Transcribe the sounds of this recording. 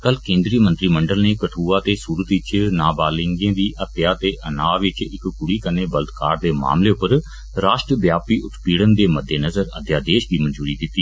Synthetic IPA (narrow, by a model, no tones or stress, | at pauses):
kəlkẽːnd̪ɾiːmənt̪ɾiːməɳɖəlneːkəʈʰuːaːt̪eːsuːɾət̪ɪt͡ʃnaːbaːlɪ̃ŋɡẽːd̪iːʔət̪jaːt̪eːʔənaːʋɪt͡ʃɪkkʊɽiːkəneːbəlt̪kaːɾd̪eːma̰ːmleːʊpəɾ | ɾaːʃʈɾəʋjaːpiːʔʊt̪ʰpiːɽənd̪eːməd̪eːnəzəɾəd̪jaːd̪eːʃd̪iːmənd͡ʒuːɾiːd̪ɪt̪ːiː